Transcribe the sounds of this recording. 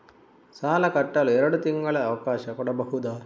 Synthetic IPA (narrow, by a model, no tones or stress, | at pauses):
saːlɐkɐʈːɐluɛɾɐɽut̪iŋɡɐɭɐɐʋɐkaːʃɐkuːɽɐbɐɦud̪aːɾ